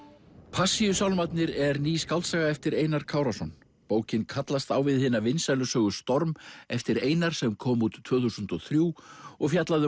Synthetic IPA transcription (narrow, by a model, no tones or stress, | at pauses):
pʰasiʏsawlmat̪nɪɾɛɾniːskawlt̪saɣaɛft̪ɪɾeːjnaɾ̥kʰaːwɾasɔn | poːwcɪnkʰat̪last̪awvɪðhɪnːavɪnsalʏsœːɣʏst̪ɔɾmɛft̪ɪɾeːjnaɾ̥sɛmkʰɔːmuːt̪ʰv̥œːθusʏnt̪ɔθɾjuːɔɣfjat̪laðʏ